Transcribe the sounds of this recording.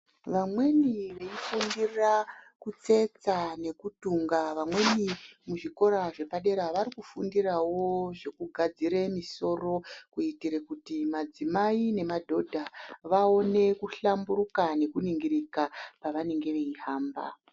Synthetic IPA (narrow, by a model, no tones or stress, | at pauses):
ʋamwe̞niʋe̞ifundirakut͡se̞t͡sane̞kutuŋɡaʋamwe̞nimuʐiko̞ɾaʐe̞paɗe̞ɾaʋaɾikufundirawo̞ʐe̞kuɡʱad͡ziɾe̞miso̞ro̞kuitiɾekutimad͡zimaine̞madʱo̞dʱaʋao̞ne̞kuɬambuɾukane̞kuniŋɡiɾikapaʋane̞ŋɡe̞ʋeihaːmba̰